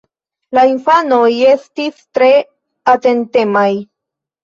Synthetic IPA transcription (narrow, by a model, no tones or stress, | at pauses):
lainfano̞je̞stistɾe̞ | ate̞nte̞maj